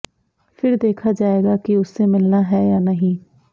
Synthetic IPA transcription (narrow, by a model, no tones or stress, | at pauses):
pʰɪɾd̪eːkʰaːd͡ʒaːeːɡaːkiʊsːeːmɪlnaːɦɛːjaːnəɦĩː